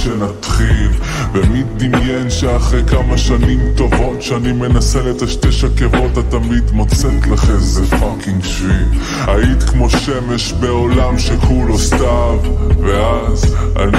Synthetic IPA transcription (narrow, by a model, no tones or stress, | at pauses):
ʃenat̪χil | vemit̚d̪imjenʃeaχʁekamaʃanimt̪o̞vo̞tʃeanime̞naselet̪aʃteʃakevo̞t̪at̪ːamid̪mot͡set̪laχemzefakiŋɡʃvi | ait̪kmo̞ʃemeʃbe̞olamʃekʰulostavveaza̰n